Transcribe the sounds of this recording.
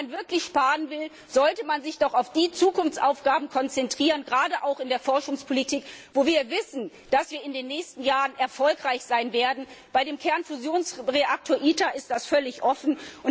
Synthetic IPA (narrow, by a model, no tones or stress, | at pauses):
anvɪɐklɪçʃpaːʁənvɪl | z̥ɔltəmanzɪçd̥ɔχaʊfd̥iːt͡suːkʊnft͡sʔaʊfɡ̥aːbm̩kʰɔnt͡sɛntʁ̥iːʁ̞ənɡʁaːdəʔaʊxɪndeːɐfɔɐʃʊŋspʰolitʰiːkv̥oːviːɐvɪsn̩ | d̥asv̥iːɐɪndeːnːɛːçstn̩jaːʁənʔɛɐfɔlkʁ̥aɪçz̥aɪnveːɐdn̩b̥aɪdeːmkʰɛɐnfuzjoːnsʁeʔak̚tʰoːɐʔiːtaʔɪst̚d̥asfœlɪçʔɔfn̩ʔʊn